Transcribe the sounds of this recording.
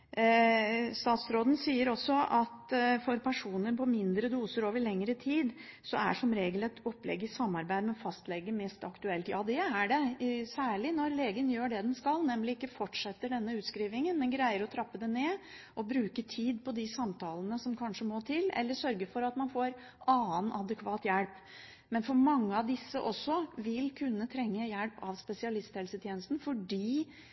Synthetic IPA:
st̪ɑːt̪sɾoːd̪ən̩siːəɾɔsːɔʔɑt̪fɔɾpʰæʂuːnəɾpʰɔmɪnd̪ɾəd̪uːsəɾoːʋəɭɛŋɾət̪ʰiːd̪ | sɔæ̰ʂɔmɾeːɡəlɛt̪ʰɔpːlɛ̰ɡːɪsɑmːɑɾbæɪd̪mɛfɑst̪lɛɡːəmɛst̪ɑkt̪ʉɛlt̪jɑ̰ːd̪ɛæɖɛsæːɭɪnɔɾleːɡənjøːɖɛd̪ɛnskɑlnɛmlɪɪkːəfɔʈʂɛt̪ːəɖɛnːəʉːt̪skɾiːʋɪŋənmɛnɡɾæɪəɾɔt̪ʰɾɑpːəd̪ɛneː | ʔɔbɾʉːkət̪ʰiːd̪pʰɔd̪ɪsɑmt̪ʰɑːlənəsɔmkʰɑnʂəmoːt̪ʰɪlɛ̰lːəʂœɾɡəfɔɾɑt̪mɑnfoːɾ | ʔɑːənʔɑd̪əkʰʋɑːt̪jælp | mɛnfɔɾmɑŋːəɑʋd̪ɪsːəʔɔsːɔʋɪlkʰʉnːət̪ʰɾɛŋːəjælpɑʋspɛsɪɑlɪst̪hɛlsət̪ʰjeːnəst̪n̩fɔɖiː

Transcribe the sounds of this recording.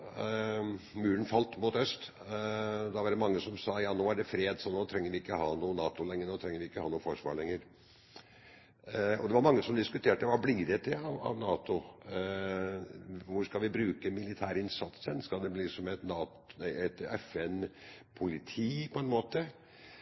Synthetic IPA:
mʉːɾənfɑlt̪muːt̪œst̪ | d̪ɑʋɑɖɛmɑŋːəsɔmsɑːjɑːnoːæɖɛfɾeːd̪sɔnoːt̪ʰɾɛŋːəɾʋɪɪkːəhɑːnuːənɑːt̪ʊlɛŋːənoːt̪ʰɾɛŋːəɾʋɪɪkːəhɑːnuːəfɔʂʋɑ̰ːɭɛŋːəɾ | ɔ̰d̪ɛʋɑɾmɑŋːəsɔmd̪ɪskʉt̪ʰeːʈəʋɑblɪɡd̪eːt̪əɑʋɑ̰ʋnɑːt̪ʊ | ʋʊskɑʋɪbɾʉːkəmɪlɪt̪ʰæːɾɪnsɑt̪sənskɑld̪ɛbliːsɔmɛt̪nɑːt | ɛt̪ɛfɛnpʰʊlɪt̪ʰiːpʰɔɛnmoːt̪ə

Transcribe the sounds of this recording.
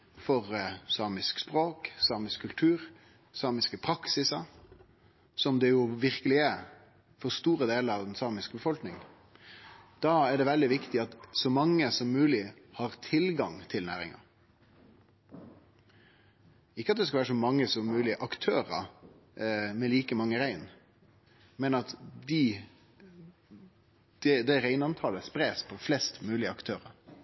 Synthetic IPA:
fɔʁsɑːmɪskspʁoːksɑːmɪskʰːʉlt̪ʰʉːɾ | sɑːmɪskəpʰɾɑksɪsɑ | sɔmd̪ɛjʊʋɪʁkəlɪæɾ | fɔst̪uːɾəd̪eːləɾɑʋd̪ɛnsɑːmɪskəbəfɔlknɪŋə | d̪̥ɑːæɖ̪ɛʋɛld̪ɪʋɪkt̪ɪɑt̪sɔmɑŋːəsɔmːʉːlɪ | hɑʁt̪ʰɪlɡɑŋt̪ʰɪlnæ̰ːɾɪ̰ŋɑ̰ | ɪkːəɑt̪̚d̪ɛskɑʋæːɾəʂɔmɑŋːəsɔmmʉːlɪʔɑkt̪ʰøːɾə̰ | mɛliːkəmɑŋːəɾæɪn | mɛnɑt̪d̪ɪ | d̪̥ɛd̪ɛɾæɪnɑnt̪ʰɑːləspɾeːspʰɔflɛst̪mʉːlɪəɑkt̪ʰøːɾəɾ

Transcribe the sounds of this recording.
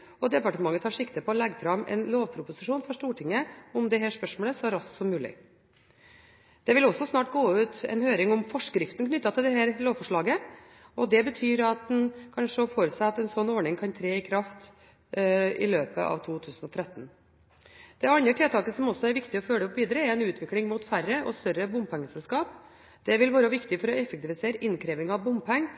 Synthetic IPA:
ɔd̪ɛpɑʈəmɑŋːət̪hɑːʂɪkt̪əpʰɔːlɛɡːəfɾɑmɛ̰nloːʋpʰɾʊpʊsɪʂuːnfɔʂʈ̪uːʈʰɪŋːəɔmd̪ɛɦæʂpœʂmoːləsɔæɾɑsksɔmːʉːlɪ̰ | d̪̥ɛʋɪlɔsːɔsnɑːʈɡoːʉːt̪ɛ̰nhøːɾɪŋɔmfɔʂkɾɪft̪n̩kʰnʏt̪ːɑt̪ʰɪld̪ɛhæːɾloːʋfɔʂɭɑːɡə | ɔd̪ɛbət̪ʰyːɾɑt̪̚d̪ɛnkʰɑnʂəfoːɾəsæɑt̪ɛnsɔnːɔːɳɪŋkʰɑnt̪ʰɾeːɪkʰɾɑft̪ | ɪ̰løːpʰə̰ʔɑ̰ːʋt̪ʰuːt̪ʰʉːsnɔt̪ʰɾɛt̪ːn | d̪̥ɛɑnəʈʰɛːt̪ɑːkəsɔmɔsɔæɾʋɪkt̪ɪɔføːɖ̪ɛʊpʋiːd̪əɾəɛɾɛnʉːt̪ʰʋɪklɪŋmuːt̪færːəʔɔst̪œɾəbʊmpɛŋːəsɛlskɑːp | d̪̥ɛʋɪlʋɑːɾəʋɪkt̪ɪfɔɾɔɛfəkt̪ɪʋɪseːɾəʔɪnkʰɾeːʋɪŋɑʋbʊmpʰɛŋː

